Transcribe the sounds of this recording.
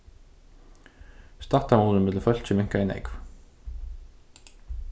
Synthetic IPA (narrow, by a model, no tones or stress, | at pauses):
st̪aht̪amuːlʏnmɪt̪lfœl̥t͡ɕɪmɪŋ̥kaɛnɛ̰kv